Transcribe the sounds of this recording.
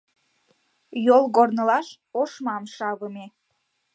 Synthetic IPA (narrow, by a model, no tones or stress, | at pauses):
jolˠɣornəlɑʃ | oʃmɑmʃɑβəme